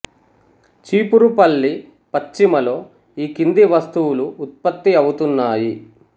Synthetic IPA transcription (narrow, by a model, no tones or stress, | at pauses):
t͡ʃiːpuɾupɐlːi | pɐt͡ʃt͡ʃːimɐlo̞ː | iːkind̪iʋɐst̪uwuluːt̪̚pɐt̪ːiɐwut̪unːaːji